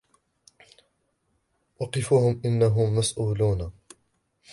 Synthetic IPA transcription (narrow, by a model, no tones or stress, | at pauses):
ʔɑqɪfuːhʊmʔɪnːaɦʊmːasʔuːluːn